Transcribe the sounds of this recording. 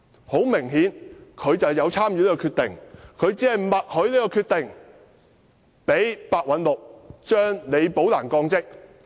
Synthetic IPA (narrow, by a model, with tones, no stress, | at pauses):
ho˨˥wmɪ˨˩ŋɦiː˨˥nkʰɵ˨˧ɥt͡sɐ˨wjɐ˨˧wt͡sʰaː˥mjyː˨˧li˥kɔː˧kʰyː˧t̪ɪ̰˨˩ŋkʰɵ˨˧ɥt͡siː˨˥hɐ˨jmɐ˨t̚hɵ˨˥ɥliː˥kɔː˧kʰyː˧t̪̚ɪ˨ŋ | pe˨˥jpaː˧k̚wɐ˨˧˥nlʊ˨k̚t͡ʃœː˥ŋne˨˧jpo˨˥wlaː˨˩nkɔː˧ŋt͡sɪ˥k̚